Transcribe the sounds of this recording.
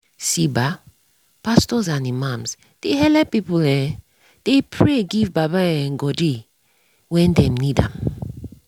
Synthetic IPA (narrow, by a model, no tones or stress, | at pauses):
siba | pastɔzãnimãmz | d̥ehɛlɛpipulɛ̃ | d̥epʰɹeɡivbabaɛ̃nɡɔdi | wɛ̃ndɛ̃mnidãm